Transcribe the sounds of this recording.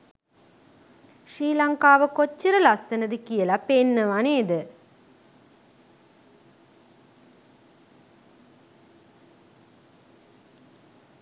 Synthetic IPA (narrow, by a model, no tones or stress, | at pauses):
ʃriːlaŋkaːʋəkot͡ɕːiɾəlast̪ɐnəd̪əkijəlapenːəʋaneːd̪ə